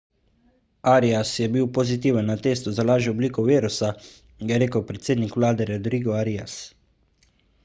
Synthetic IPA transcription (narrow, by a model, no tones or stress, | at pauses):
aːɾiasjɛbiwpɔzit̪iːwənːat̪eːst̪uzalaːʒɛɔbliːkɔʋeːɾusa | jjɛɾeːkəwpɾɛt̪seːd̪nikwlaːd̪ɛɾɛd̪ɾiːɡɔaɾias